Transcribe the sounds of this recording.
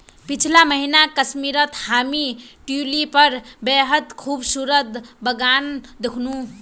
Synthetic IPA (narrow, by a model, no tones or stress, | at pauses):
pit͡ʃʰlaməɦinakəsmiɾət̪hamiʈulipʌɾbeɦəd̪kʰubsuɾəd̪bəɡand̪ekʰnu